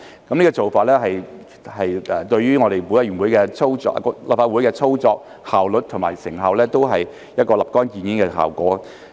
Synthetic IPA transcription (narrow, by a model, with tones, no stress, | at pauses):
kɐ˨mniː˥kɔ˧t͡so˨wfaː˨t̚lɛː˥ɦɐ˨j | hɐ˨jɛː˨t̪ɵ˧ɥɥyː˥ŋɔː˨˧ɾe˨jwuː˨˧˥jɐ˥ɥyː˨˩nwuː˨˥jkɛ˧t͡sʰo˥wt͡sɔ̰ː˧la̰ː˨pfaː˧u˨˥jkɛː˧t͡sʰo˥wt͡sɔː˧k̚ | haː˨wlɵ˨t̚t̪ʰʊ˨˩maː˨˩jsɪ˨˩ŋɦɐ˨wlɛː˥t̪o˥wɦɐ˨j | jɐ˥t̚kɔː˧lɐ˨˩p̚kɔː˥njiː˨˧nji˨˥nkɛː˧ɦa̰ː˨˩wkɔ̰ː˨˥